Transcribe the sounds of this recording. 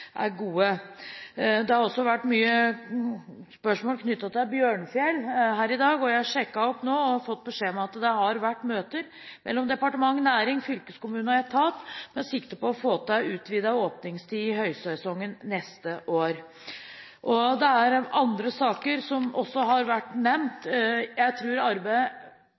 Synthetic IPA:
ʔæ̰ɾɡuːə | d̪ɛhɑɾɔsːɔʋæʈːmyːə | spœʂmoːlkʰnʏt̪ːɑt̪ɪlbjøːɳfjɛlɦæːɾɪd̪ɑːɡɔjæɪhɑʂɛkːɑɔpnoːɔhɑfɔt̪ːbəʂeːmɛɑt̪d̪ɛhɑɾʋæʈːmøːt̪əɾ | mʔɛ̰lːɔmd̪ɛpɑʈəmɑŋːnæːɾɪŋfʏlkəskʊmʉːnɑɛt̪ʰɑːt̪mɛsɪkt̪əpɔɔfoːt̪æʉːt̪ʋid̪æoːpnɪŋst̪ʰiːɪhœʏsɛsɔŋːənnɛst̪əʔoːɾ | ʔɔd̪ɛæɾɑnd̪ɾəsɑːkəɾsɔmɔsːɔɦɑɾʋæʈːnɛmt̪jæɪt̪ʰɾʉːɾɑɾbæɪ

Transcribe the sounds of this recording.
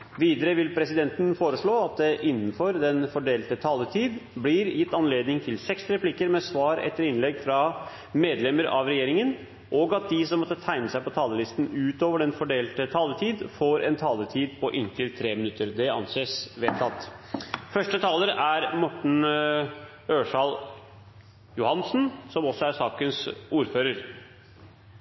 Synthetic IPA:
ʋiːd̪əɾəʋɪlpʰɾɛsɪd̪ɛnt̪nfoːɾəʂɭoːɑt̪̚d̪ɛʔɪnːn̩fɔɾd̪ɛnfɔɖeːlt̪ət̪ʰɑːlət̪ʰiːd̪blɪɾjɪt̪ːɑnleːd̪nɪŋt̪ʰɪlsɛksɾɛpʰlɪkəɾmɛsʋɑːɾɛ̰t̪ːəɾɪnlɛɡfɾɑ | meːd̪lɛməɾɑ̰ʋɾɛjeːɾɪŋən | ʔɔɡɑt̪̚d̪ɪsɔmːɔt̪ːət̪ʰæɪnəsæɪpɔt̪ʰɑːləlɪst̪n̩ʉːt̪oːʋəɖɛnfɔɖeːlt̪ət̪ʰɑːlət̪ʰiːd̪foːɾɛ̰nt̪ʰɑːlət̪ʰiːd̪pʰɔʔɛŋkəlt̪ʰːɾeːmɪnʉt̪ːəɾd̪ɛɑ̰nseːsʋeːt̪ʰːɑt̪ːfœʂʈət̪ʰɑːləɾæɾmɔʈːɳ̩ | øːʂɑl | jʊhɑnsnsɔmɔsɔæɾsɑːkənsuːɾføːɾəɾ

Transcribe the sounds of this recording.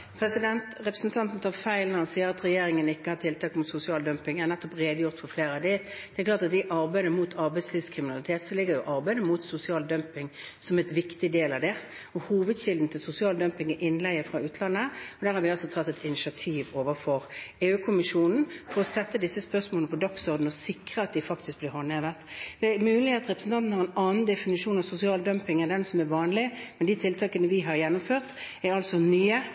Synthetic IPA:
pʰɾɛsɪd̪ɛnt̪ʁɛpɾəsn̩t̪ʰɑnt̪n̩t̪ɑfæɪlnɑsiːəɾɑt̪ɾɛjeːɾɪŋənɪkːəhɑt̪ʰɪlt̪ʰɑːkmʊt̪sʊsɪɑːld̪œmpɪŋæʁnɛt̪ːɔpʁeːd̪əjʊʁt̪fɔɾfleːɾɑd̪ɪd̪ɛklɑːʁt̪ɑt̪d̪ɪʔɑɾbæɪd̪əmuːt̪ʰɑɾbæɪd̪sliːʋskʰɾɪmɪnɑlɪt̪ʰeːt̪sɔlɪɡːəjʊʔɑɾbæɪd̪əmuːt̪sʊsɪɑːld̪œmpɪŋsɔmɛt̪ʋɪkt̪ɪd̪eːlɑʋd̪ɛ | ɔhuːʋəd̪ɕɪld̪n̩t̪ʰɪlsʊsɪɑːld̪œmpɪŋɪʔɪnlæɪəfʁɑʉːt̪ʰlɑnːəɔd̪æːɾhɑɾʋɪɑlsɔt̪ʰɑt̪ːɛt̪ʰɪnɪʃɪɑt̪ʰiːʋoːʋəfɔʁeːʉːkʰʊmɪʂuːnn̩fɔɾɔsɛt̪ːəd̪ɪsːəspœʁsmoːlnəpʰɔd̪ɑksɔʁd̪n̩ɔsɪkʁəɑt̪̚d̪ɪfɑkt̪ɪsk̚blɪʁhɔneːʋəʁt̪d̪ɛmʉːlɪheːt̪ʁɛpʁəsn̩t̪ʰɑnt̪n̩hɑʁɛnɑːnn̩d̪ɛfɪnɪʂuːnɑʋsʊsɪɑːld̪œmpɪŋæʁd̪ɛnsɔmæʋɑːnlɪmmɛnd̪iːt̪ʰɪlt̪ʰɑːkənəʋɪɦɑɾjɛnːʊmføːʁt̪æɾɑlsɔnyːə

